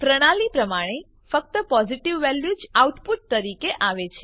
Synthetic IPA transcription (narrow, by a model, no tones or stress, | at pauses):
fɾəɽ̃alipɾəmaɽ̃e | fək̚t̪əpɔziʈiʋːɛljud͡ʒauʈpuʈ̚t̪əɾikeʔaʋet͡ʃʰe